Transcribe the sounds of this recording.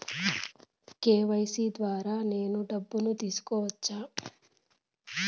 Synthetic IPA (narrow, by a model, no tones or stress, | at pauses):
keːʋɐjsiːd̪ʋaːɾaːne̞ːnuɖɐbːunut̪iːsu̥kɔːʋɐt͡ʃːaː